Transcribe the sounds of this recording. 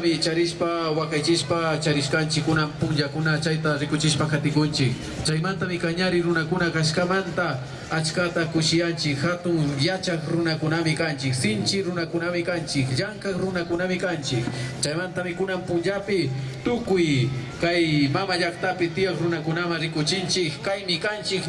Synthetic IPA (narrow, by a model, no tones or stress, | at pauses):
mɪt͡ʃaɾɪʃpawakajt͡ʃɪʃpat͡ʃaɾɪʃkant͡ʃɪkːʊnampʊnʎakʊnat͡ʃajt̪aɾɪkʊt͡ʃɪʃpakat̪ɪkʊnt͡ʃɪk | t͡ʃajmant̪amɪkaɲaɾɪɾʊnakʊnakaʃkamant̪a | at͡ʃkat̪akʊʃɪjant͡ʃɪkhat̪ʊŋjat͡ʃakɾʊnakʊnamɪkant͡ʃɪksɪnt͡ʃɪɾʊnakʊnamɪkant͡ʃɪkʎaŋkakɾʊnakʊnamɪkant͡ʃɪkt͡ʃajmant̪amɪkʊnampʊnt͡ʃapɪ | t̪ʊkʊjkajmamaʎakt̪apɪt̪ɪjakɾʊnakʊnamaŋɾɪkʊt͡ʃɪnt͡ʃɪkːajmɪkant͡ʃɪk